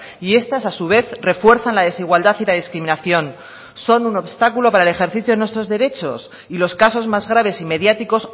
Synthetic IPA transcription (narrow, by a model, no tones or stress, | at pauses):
ie̞st̪asasuβ̞e̞θre̞fwe̞ɾθanlaðe̞siɣwald̪aθilað̞iskɾimĩnaθjo̞n | so̞nuno̞βst̪akulo̞paɾaelexe̞ɾθiθjoenwest̪ɾo̞zðe̞ɾe̞t͡ʃo̞̰s | ilo̞skaso̞zmazɣɾaβ̞e̞sime̞ðjat̪iko̞s